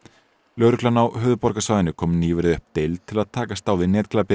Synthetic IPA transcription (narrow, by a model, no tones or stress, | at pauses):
lœːɾʏklanawhœːðʏpɔɾkasvaːjðɪnʏkʰɔːmniːvʏɾɪðʏhpt̪ejlt̪ʰɪlaðt̪ʰaːkast̪aːwðɪnɛːt̪kʰlapɪ